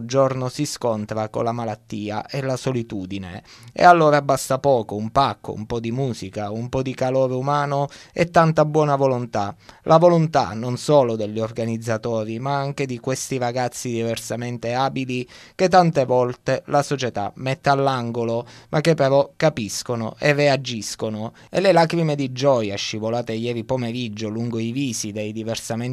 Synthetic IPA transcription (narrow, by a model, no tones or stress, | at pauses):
d͡ʒornosiskont̪ɾako̰lːamalat̪ːiːa̰ʔelasolit̪uːd̪inḛ | ḛalːoːɾabast̪apɔːkoumpakːo̰ṵmpɔd̪imuːzikaumpɔd̪ikaloːɾeumaːnoɛt̪ːant̪abwɔːnavolont̪alʔavolont̪a̰nonsɔːlod̪eʎːiorɡanid̪zːat̪ɔːɾimaaŋk̟ed̪ikwest̪iɾaɡat̪sːid̪iversament̪eaːbilik̟et̪ːant̪evɔlt̪elasot͡ʃet̪a̰mɛt̪ːealːaŋɡolomʔak̟ːepːeɾɔkapiskono̰ʔerːead͡ʒːiskono | ḛlelaːkɾimed̪id͡ʒɔjaʃːivolaːt̪ejɛːɾipomeɾid͡ʒːoluŋɡoiviːsid̪ejd̪iversamen